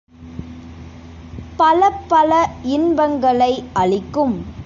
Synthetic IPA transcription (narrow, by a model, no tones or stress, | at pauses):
pɐlɐpːɐlɐɪnbɐŋɡɐɭɐɪɐɭɪkːɯm